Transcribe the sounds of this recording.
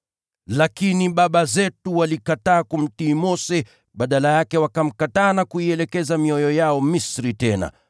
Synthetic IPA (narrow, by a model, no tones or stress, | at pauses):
lakiniɓaɓazɛtuwalikataːkum̩tiːmɔsɛ | ɓaɗalajakɛwakam̩kataːnakuiɛlɛkɛzamiɔjɔjaɔmisɾitɛna̰